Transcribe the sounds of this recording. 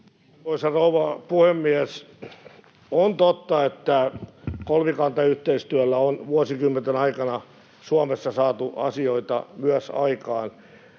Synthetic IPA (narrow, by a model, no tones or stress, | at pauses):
oisɑrouʋɑpuhemːiæs | ont̪ot̪ːɑet̪ːækolmikɑnt̪ɑyht̪eist̪yælːæonʋuosikymːent̪enɑikɑnɑ | suɑmesːɑsɑːt̪uɑ̰sioit̪ɑ̰myæsɑ̰ikɑːn